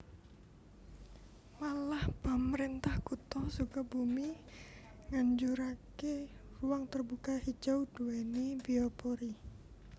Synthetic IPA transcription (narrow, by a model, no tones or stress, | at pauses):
walahpəməɾint̪ahkut̪ɔsukabumi | ŋaɲd͡ʒuɾakeruaŋt̪ərbukahid͡ʒawd̥uwenibiɔpɔɾi